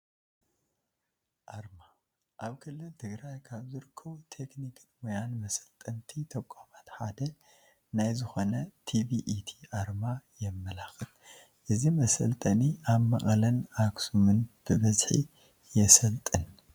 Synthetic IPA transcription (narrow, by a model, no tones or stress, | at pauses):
ʔaɾma | ʔaβkʰɨlːɨlt̪ʰɨɡɾajkʰaβzɨɾɨkʰːɐβut̪ʰe̞knikʰɨnwɔjanmɐsɐ̥lt̪ʼɐnt̪ʰit̪ʰɐkʷʼːamat̪ħad̪ɐ | najzɨxo̞nɐt̪ʰiviʔit̪ʰi̥ʔaɾmajɛmːɐlaxɨt̪ | ʔɨzimɐsɐ̰lt̪ʼɐniʔaβmɐ̰χʼɐlɐnaksumɨnb̥ɨβɐzħḭ | jɛsɐlt̪ʼɨn